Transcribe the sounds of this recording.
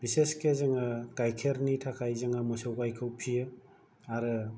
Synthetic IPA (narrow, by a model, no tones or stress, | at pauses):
b̥iseskezeŋakajkʰeɾnitʰakʰajzɯŋamɔsawkajkʰɯwpʰijɯ | aɾɯ